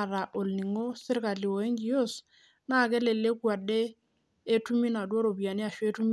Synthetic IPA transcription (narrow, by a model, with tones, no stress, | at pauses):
ɾa˨ʔo˨lni˨ŋo˦sɪ˦ɾka˨li˨wo˨e˦ŋɡi˨jo˦˨s | na˦˨kɛ˦lɛ˨le˦kwa˨dɛː˦ | tu˦mi˦na˨dwo˦ɾo˨bja˨ni˦a˨ʃɔ˦e˦tu˦mi˦